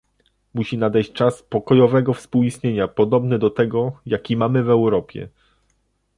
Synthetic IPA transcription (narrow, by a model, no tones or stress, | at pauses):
muɕinad̪ɛjɕt͡ɕt͡ʂaspɔkɔjɔvɛɡɔfspuwist̪ɲeɲapɔd̪ɔbnɘd̪ɔt̪ɛɡɔjakʲimamɘvɛwɾɔpʲjɛ̰